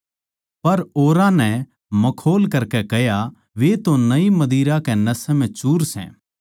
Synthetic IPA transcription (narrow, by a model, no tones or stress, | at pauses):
pɐɾoːɾãnɛ̃ | mɐkʰoːlkɐɾkɛkɛɦja | ʋet̪onɐimɐd̪iːɾakɛnɐsɛm̤ɛ̃t͡ʃuːɾsɛ̰̃ː